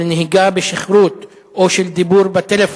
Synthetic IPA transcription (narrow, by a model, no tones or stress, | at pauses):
neɦiɡabeʃiχɾut̪ | ʔoʃeld̪ibuɾbat̪elef